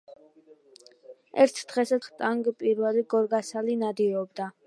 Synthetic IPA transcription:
ɛɾt̪ʰd̪̥ʁɛsat̪t̪ʼaŋɡpʼiɾvɛliɡɔɾɡasalinad̪iɔbd̪a

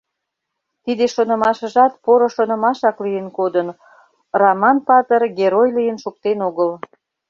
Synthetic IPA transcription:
t̪id̪eʃonə̆mɑʃə̆ʒɑt̪poɾŏʃonə̆mɑʃɑklijənkod̪ən | rɑmɑnpɑt̪ərɡeɾojlijənʃuk̚t̪enoɣəl

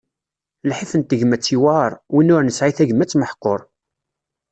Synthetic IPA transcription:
lħifənt̪əʝəmæt͡sːiwɑɾˤwinːʊɾnəsʕiθæʝəmːæt͡sːməħqːoɾˤ

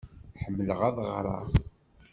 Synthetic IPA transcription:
ħəmːələʁæðˤəʁɾˤɑ̰ʁ

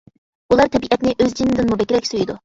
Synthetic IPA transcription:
ulˠɑɾt̪ʰɛbiʔɛt̪nɪʔøzd͡ʒinːɪd̪ɪnmubɛkʲiɾɛkʲsøjid̪u

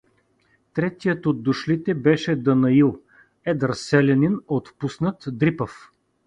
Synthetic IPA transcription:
t̪ɾɛt̪ijət̪od̪ːʊʃlit̪ɛbɛʃɛd̪ɐnɐilˠ | ɛd̪ɾɐsɛlʲɛninot̪pusnət̪d̪ɾipəf

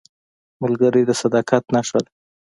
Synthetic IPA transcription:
mʊlɡəɾid̪əsad̪ɑkat̪naʂəl

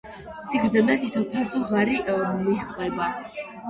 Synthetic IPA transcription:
siɡɾd̪ɛmɛt̪it̪ʰɔpʰɛɾt̪ʰɔʁaɾimiχvɛba

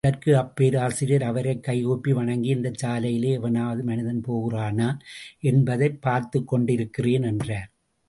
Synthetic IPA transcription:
ɐrkɯɐpːeːɾaːsɪɾjɐɾɐʋɐɾɐɪkːɐɪoːpːiʋɐɳɐŋɡiɪnd̪ɐt͡ʃːaːlɐjɪleːɐʋɐnaːʋɐðɯmɐnɪðɐnpoːɣɯraːnaːɛnbɐðɐɪpːaːɾt̪ɯkːɔɳɖɪɾɯkːɪreːnɛndraːɾ

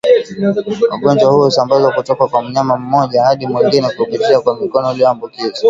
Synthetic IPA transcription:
wa̰ɡɔɲd͡ʒwahuɔusambazwakutɔkakwam̩ɲamam̩mɔʄahaɗimwɛŋɡinɛkuupit͡ʃiakwamikɔnɔliɔambukiza

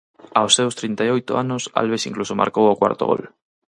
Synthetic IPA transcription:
aosːewst̪ɾint̪ajojt̪oanʊsa̰lβesiŋklusoma̰ɾkowokwa̰ɾt̪o̰ɣo̰l

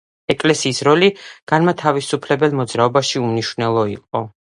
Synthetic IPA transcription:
ɛkʼlɛsiːsɾɔliɡ̥anmat̪ʰavisupʰlɛbɛlˠmɔd̪zɾaɔbaʃiuniʃwvnɛlˠɔḭqʼɔ

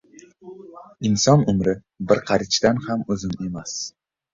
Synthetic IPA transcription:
ɪnsɒnʊmɾɪ | bɪɾqʰɑɾɪt͡ʃt̪anhamɵzɪne̞mas

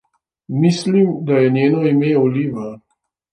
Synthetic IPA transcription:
mislimd̪ajɛnjeːnɔimeuliːʋa

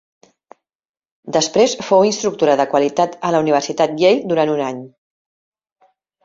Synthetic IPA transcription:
d̪əspɾesfowinst̪ɾuk̚t̪uɾəðəkwəlit̪at̪ələuniβ̞ərsit̪at̪̚ʎejd̪uɾanunaɲ

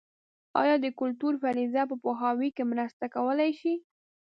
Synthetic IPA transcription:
ɑ̰jɑd̪əkʊlt̪uɾfaɾizap̬əpoɦɑwikemɾəst̪akawəlajʃi

